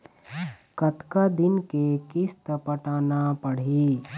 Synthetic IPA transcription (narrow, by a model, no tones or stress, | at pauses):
kɐt̪kad̪ɪnkekɪst̪əpəʈaːnapəɽ̤i